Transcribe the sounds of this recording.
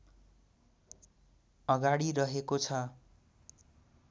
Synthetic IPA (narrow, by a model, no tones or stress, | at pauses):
ʌɡaɽiɾʌɦekot͡sʰʌ